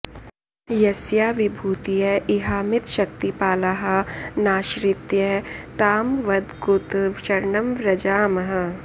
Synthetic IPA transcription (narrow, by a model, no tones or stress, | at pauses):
jɐsjaːʋɪbʱuːt̪ijɐʔɪɦaːmɪt̪ʃɐk̚t̪ipaːlaɦɐnaːʃɾɪt̪jɐt̪aːmʋɐd̪ɡʊt̪ʋʃɐɾnɐmɾɐd͡ʒaːmɐɦɐ